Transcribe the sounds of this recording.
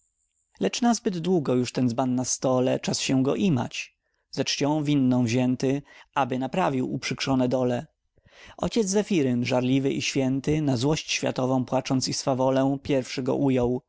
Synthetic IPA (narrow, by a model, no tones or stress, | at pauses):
lɛt͡ʂnazbɘd̪d̪wuɡɔjuʂt̪ɛnzbanːast̪ɔlɛ̰t͡ʂasɕɛɡɔ̰ʔima̰t͡ɕ | zɛt͡ʂt͡ɕɔ̃w̃vʲinːɔ̃w̃vʑɛnt̪ɘabɘnapɾavʲiwṵpʂɘkʂɔnɛd̪ɔlɛ | ʔɔ̰t͡ɕɛd̪zzɛfʲiɾɘnʐaɾlʲivɘʔiɕfʲjɛnt̪ɘnazwɔɕt͡ɕɕfʲa̰t̪ɔvɔ̃w̃pwat͡ʂɔnt̪sisfavɔlɛ̃pʲjɛɾfʂɘɡɔ̰ʔujɔw